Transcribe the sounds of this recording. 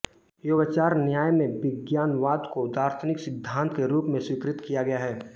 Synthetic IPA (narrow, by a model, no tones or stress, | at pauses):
joːɡat͡ʃaːɾnjaːjmẽʋɪɡjaːnʋaːd̪koʊd̪aːɾt̪ʰnɪksɪd̪ʱːãːnt̪ʰkeɾuːpmẽswɪkɾɪt̪kijaɡɐjaɦɛː